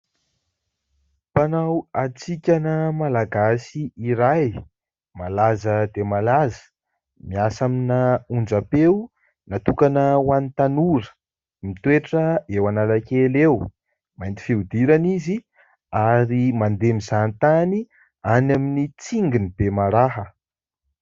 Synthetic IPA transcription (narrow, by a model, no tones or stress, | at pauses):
panawat͡sikʲanəmalaɡasiiɾaj | malazəd̪emalazə̥ | miasaminaund͡zapew | nat̪ukanəwanit̪anuɾə̥ | mit̪weʈ͡ʂəewanalakelew | majnt̪i̥fiud̪iɾanizi | aɾimand̪emizanit̪ani | anaminit͡siŋɡinibemaɾaɦə